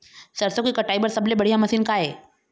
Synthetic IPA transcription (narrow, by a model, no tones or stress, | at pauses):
səɾsokiːkəʈaibəɾsəblebəɽ̤ijaməsiːnkaje